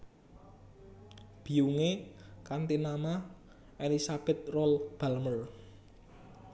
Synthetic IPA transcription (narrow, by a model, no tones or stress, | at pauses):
b̥i̤uŋekant̪inama | elisab̥ɛt̪̚rɔlb̥a̤lmər